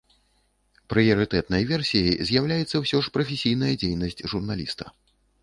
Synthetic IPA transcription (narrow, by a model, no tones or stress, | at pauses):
pɾɨjɐɾɨt̪ɛt̪nɐjvʲɛrsʲijɐjzʲjawlʲajɛt̪sːɐwsʲɔʂpɾɐfʲesʲijnɐjɐd͡zʲejnɐsʲt͡sʲʐurnalʲḭst̪ɐ